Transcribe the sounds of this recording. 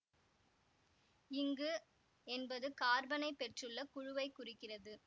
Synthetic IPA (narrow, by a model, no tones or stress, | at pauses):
ɪŋɡɯ | ɛnbɐðɯkaːɾbɐnɐɪpːɛʈrɯlːɐkʊɻʊʋɐɪkːʊrɪkːɪrɐðɯ